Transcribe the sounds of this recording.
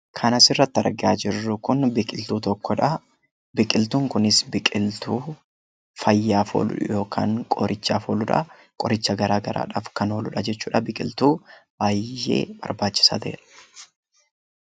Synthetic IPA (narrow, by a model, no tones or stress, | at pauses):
kʰɐnɐsɪrːɐt̪ːɐɾɡɪaːd͡ʒɪrːʊkʊnbɪkʼɪlt̪uːt̪ɔkːɔᶑɐ | bɪkʼɪlt̪uːŋkʊnɪsbɪkʼɪlt̪uː | fɐjːaːfo̰ːlʊ̰ᶑʊjo̞ːkʰa̰ːŋkʼɔ̰ɾʔɪt͡ʃːa̰ːfoːlʊᶑɐ̰ | kʼɔɾɪt͡ʃːɐɡɐɾaːɡɐɾʔa̰ːᶑa̰ːfkɐnoːlʊᶑɐd͡ʒɛt͡ʃːuːᶑɐbɪkʼɪlt̪uːb̥aːjːe̞̰ːbɐ̰ɾbaːt͡ʃːɪ̥sɐ̰d̪ḛːᶑɐ̥